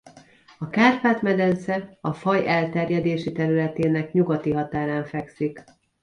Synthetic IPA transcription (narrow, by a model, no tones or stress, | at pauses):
ɒkaːrpaːt̪mɛd̪ɛnsɛɒfɒjɛlt̪ɛrjɛd̪eːʃit̪ɛɾylɛt̪eːnɛkɲuɡɒt̪iɦɒt̪aːɾaːɱfɛksik